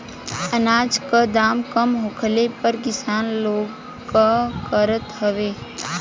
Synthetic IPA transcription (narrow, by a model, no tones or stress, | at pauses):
ənaːd͡ʒkəd̪aːmkəmɦoːkʰəlepəɾkɪsaːnloːɡ | kːakəɾət̪ɦəʋeː